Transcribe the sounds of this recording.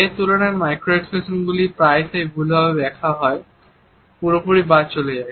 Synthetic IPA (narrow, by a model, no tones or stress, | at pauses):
et̪uloneɾmajkɾeʈfesonɡulipɾajsejbʱulbabebɛkʰaɦɔe | puɾopoɾibat͡ɕoled͡ʑae